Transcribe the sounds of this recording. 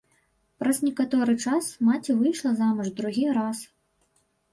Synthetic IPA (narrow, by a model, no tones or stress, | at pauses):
pɾɐznʲɛkat̪ɔɾɨt͡ʂasmat͡sʲivɨjʂlˠɐzamʲɐʐd̪ɾuɣʲiɾas